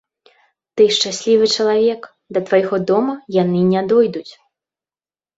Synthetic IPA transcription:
t̪ɨʂt͡ʂasʲlʲivɨt͡ʂɐlˠavʲɛk | d̪ɐt̪vajɣɔd̪ɔmɐjanɨnʲad̪ɔjd̪ut͡sʲ

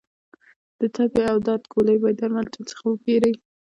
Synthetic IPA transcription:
d̪̥ət̪apeawd̪ɑd̪kolajbɑjd̪aɾmalt̪at͡sə̥xawəkeɾaj

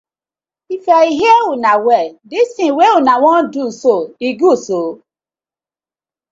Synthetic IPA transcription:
ifɛiɦiɛunawɛdistĩweunawɔ̃ndusoiɡuso

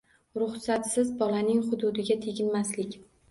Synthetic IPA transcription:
ɾʊχsat̪sɪzbɒlanɪŋχʊd̪ʊd̪ɪɡʲat̪ʰeɡʲɪnmaslɪkʲ

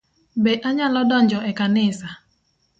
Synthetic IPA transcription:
beʔaɲalɔdɔn̩d͡ʒɔʔɛkanɪsa

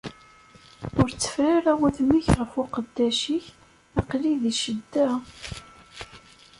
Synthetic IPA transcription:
ʊɾt͡sːə̥fɾaɾæwæθmiçʁəfʊqəd̪ːæʃiç | æqliðiʃəd̪ːæ

